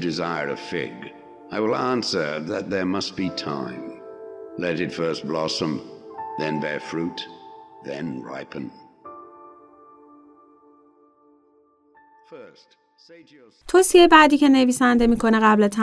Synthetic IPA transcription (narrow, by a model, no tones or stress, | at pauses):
dɨzaɪə˞ʌ̰v̥fɪ̰ɡ | aɪwɪlˠæ̃nsə˞ðɨt̪̚ðə˞mʌst̚b̥itʰã̰ɪ̃mlɛɾɨtfɜ˞st̚b̥lɑsə̃mðɨ̃nbɛɹfɹut̪̚ðɨ̃nɹa̰ɪpʰɨ̃n̩ | fɜ˞st | setʰ | t̪ʰosiejebæd̪iːkʲʰeneviːsænd̪emiːkʰoneɣæblet̪ʰæ